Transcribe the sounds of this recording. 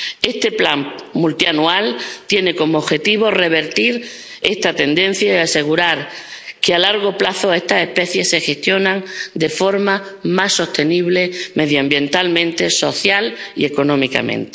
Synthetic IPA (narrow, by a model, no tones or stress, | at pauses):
e̞st̪e̞pla̰ŋmult̪ianualt̪je̞ne̞ko̞mooβxe̞t̪iβ̞ore̞β̞e̞ɾt̪iɾ | e̞st̪at̪e̞nd̪ẽ̞n̟θjaeaseɣ̞uɾaɾkealaɾɣ̞o̞plaθo̞e̞st̪ase̞hpe̞θje̞sːe̞xe̞st̪jo̞nãŋd̪e̞fo̞ɾmamasːo̞st̪e̞niβ̞le̞me̞ðjoambje̞nt̪almẽnt̪e̞so̞θjalḭe̞ko̞nõ̞mika̰mḛ̃nt̪e̥